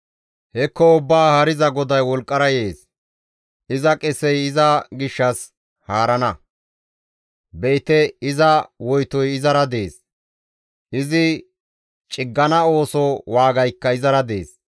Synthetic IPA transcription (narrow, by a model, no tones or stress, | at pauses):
hɛkːɔʊbːaːhɐɾɪzɐɡɔd̪ɐjwɔlkʼːɐɾɐjeːs | ʔɪzɐkʼɛsɛjɪzɐɡɪʃːɐs | haːɾɐnɐ | bejt̪ɛɪzɐwɔjt̪ɔjɪzɐɾɐd̪eːs | ʔɪzɪ | t͡ʃʼɪɡːɐnɐo̞ːsɔwaːɡɐjkːɐɪzɐɾɐd̪e̞̰ːs